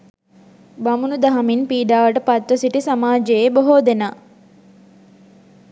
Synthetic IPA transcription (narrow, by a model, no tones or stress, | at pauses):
bamunud̪aɦaminpiːɖaːʋəʈəpat̪ʋəsiʈisamaːd͡ʒejeboɦod̪ena